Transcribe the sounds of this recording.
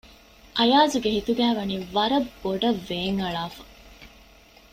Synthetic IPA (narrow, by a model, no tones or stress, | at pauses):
ʔɐjaːzuɡeɦit̪uɡæːʋɐniːʋɐɾɐbːoɖɐʋːeːŋɐɭaːfɐ̥